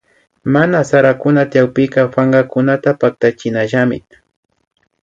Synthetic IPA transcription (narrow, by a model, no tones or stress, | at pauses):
manasaɾakʊnat̪jawpɪkɑfaɴɢɑkʊnat̪apak̚t̪at͡ʃɪnaʒamɪ̰